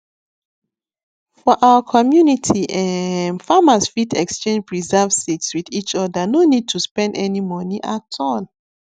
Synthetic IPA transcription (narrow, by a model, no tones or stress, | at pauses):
fɔʔawəkʰɔmjunitʰiʔãnfamasfitɛkst͡ʃẽnd͡ʒɹizɛvsitswiðit͡ʃɔdanonid̚tʰuspɛ̃ndɛnimɔ̃niʔatʰɔn